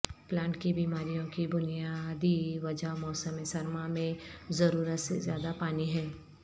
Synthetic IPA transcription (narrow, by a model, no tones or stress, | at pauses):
plãːɳʈkibiːmaːɾijõkibʊnijad̪iʋɐd͡ʒaomɔːsəmẽsɐɾmamẽzɐɾuːɾət̪sḛzjaːd̪apaːniɦɛː